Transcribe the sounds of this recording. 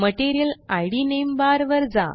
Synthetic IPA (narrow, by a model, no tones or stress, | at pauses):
məʈeɾijəlajɽinembaɾʋəɾd͡za̰